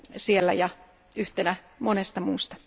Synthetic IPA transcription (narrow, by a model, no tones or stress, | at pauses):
sielːæ̰jɑ | yht̪enæ | monest̪ɑmuːst̪ɑ̥